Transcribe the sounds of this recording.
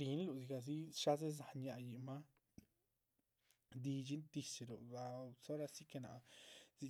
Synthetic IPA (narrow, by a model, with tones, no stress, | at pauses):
ɾi˨˦n˦lu˨zi˧ɡa˨z̬i˦ʂa˦ze˦z̬a˧ɲa˧˨ji˨ma˦ | d̪i˧d͡ʒi˦d̪i˧se˨ɾu˨a˧so˦ɾa˧si˦ke˧na̰˨zi˧